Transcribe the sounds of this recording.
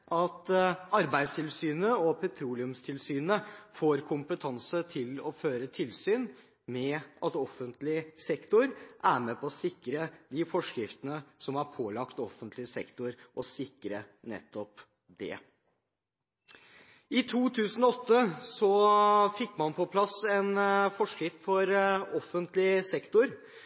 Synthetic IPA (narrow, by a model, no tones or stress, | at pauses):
ʔɑt̪ɑɾbæɪst̪ʰɪlsyːnəɔpʰɛt̪ʰɾuːlɪʉmst̪ʰɪlsyːnəfoːɾkʰʊmpət̪ʰɑnsət̪ʰɪlɔføːɾət̪ʰɪlsyːn | mɛʔɑt̪ɔfːənt̪lɪsɛkt̪ʊɾʔæːɾmɛpɔːsɪkɾəd̪ɪfɔʂkɾɪft̪ənəsɔmhɑɾpʰoːlɑkt̪ɔfənt̪lɪsɛkt̪ʊɾʔɔsɪkɾənɛ̰t̪ːɔp | d̪ɛ̰ | ɪt̪ʰuːt̪ʰʉːsən̩ɔɔt̪ːəsɔfɪkːmɑnpʰɔpʰlɑsɛnfɔʂkɾɪft̪fɔɾɔfənt̪lɪsɛkt̪ʊɾ